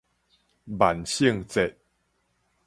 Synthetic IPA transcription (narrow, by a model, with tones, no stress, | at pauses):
ba˨˩nɕi˥˧˨ŋt͡se˨t̚